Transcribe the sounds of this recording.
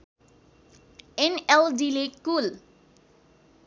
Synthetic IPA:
enelɖilekul

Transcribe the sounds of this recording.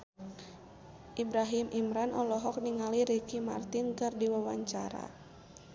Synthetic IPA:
ʔibɾaɦimʔimɾanʔɔlɔɦɔk̚niŋaliɾikima̰rt̪ɪnkɨrdiwawa̰ɲt͡ʃaɾa̰

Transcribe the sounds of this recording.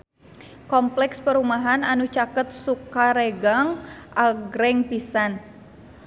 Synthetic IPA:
kɔmplɛkspəɾumaɦananut͡ʃakət̪̚sukaɾɛɡaŋʔaɡɾɛŋpisan

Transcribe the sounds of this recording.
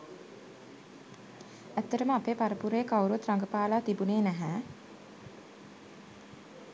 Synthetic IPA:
æt̪ːəɾəməapeːpaɾəpuɾeːkawɾut̪ɾaŋɡəpaːlaːt̪ibuneːnæɦæː

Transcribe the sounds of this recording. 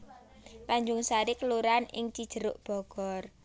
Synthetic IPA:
kaɲd͡ʒʊŋsaɾikəluɾanɪ̰ŋt͡ʃid̥ʒ̥ə̤ɾʊʔb̥ɔ̤ɡ̥ɔr

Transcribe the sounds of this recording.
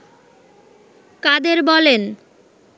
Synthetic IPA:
kad̪eɾbɔlen

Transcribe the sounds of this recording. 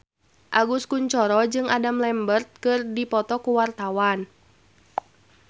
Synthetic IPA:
ʔaɡuskuɲt͡ʃɔɾɔd͡ʒɨŋadamlɛmbərt̪̚kɨrdipɔt̪ɔkuwart̪awan

